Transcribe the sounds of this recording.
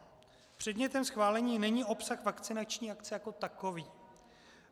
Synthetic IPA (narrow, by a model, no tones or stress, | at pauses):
pr̝̥ɛdɲɛt̪ɛmsxvaːlɛɲiːnɛɲio̞psaxvakt͡sɪnat͡ʃɲiːakt͡sɛjako̞t̪ako̞viː